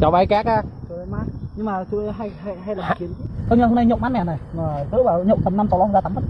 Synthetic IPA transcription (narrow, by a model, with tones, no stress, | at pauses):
t͡ɕɔ˨˦waː˧jkaː˦˥k̚aː˧˩tɨ˨˧˦maː˦˥t̚ɲɨ˧ŋmaː˨˩sɨ̰˧˨˧ɦa˧jɦa˧jɦa˧jlaː˨˩ki˨˦ənkkə˧wɲə˧ho˧˦na˧jɲɔ̰˧˨ŋ͡mmaː˦˥mɛ̰˨˩na˨˩jŋɔː˨˩zɨ̰˧˥vaː˨˩ɲɔ̰˧˨wŋ͡mt̪ə˨˩mna˧mt͡ɕɔ˨˩lzaː˧t̪a˨˦mə˦˥t̚